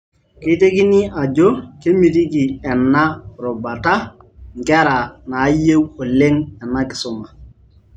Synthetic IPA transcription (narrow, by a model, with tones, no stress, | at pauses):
ke˦te˦ki˦ni˦ʔa˨d͡ʒo˦ke˦mi˨t̬i˦ki˨ɛ˨nːa˦ɾɔ˨ba˨ta˦ | ŋɡɛ˦ɾa˨na˨˦je˦wo˨le˦ŋɛ˨na˦kɪ̥˨sʊ˦ma˨